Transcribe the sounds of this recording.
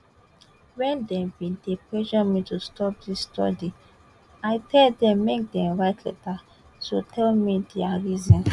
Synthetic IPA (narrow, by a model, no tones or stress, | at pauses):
wɛ̃ndɛ̃mbĩdeplɛʒɔmitustɔp̚disːtɔ̰di | aɪtʰɛldɛ̃mːek̚dɛ̃mɹaɪtʰlɛ̰ta | sotʰɛlmidɛaɹizĩn